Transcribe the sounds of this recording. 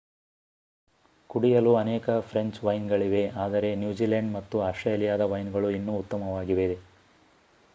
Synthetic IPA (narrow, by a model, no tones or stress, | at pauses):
kuɽijɐluɐnɛːkɐpʰɾeɲt͡ʃʋɐjnɡɐɭiʋe̞aːd̪ɐɾe̞njuːd͡ʒiːlɐɳɖmɐt̪ːuaːsʈɾejɐlijaːd̪ɐʋɐjnɡɐɭuinːuːt̪ːɐmɐʋaːɡiʋed̪e